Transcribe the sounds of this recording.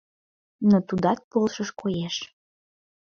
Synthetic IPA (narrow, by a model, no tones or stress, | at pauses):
not̪ud̪ɑt̪̚polʃəʃkojeʃ